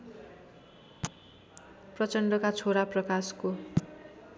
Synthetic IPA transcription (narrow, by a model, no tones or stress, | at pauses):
prʌt͡sʌɳɖʌkat͡sʰoɾaprʌkasko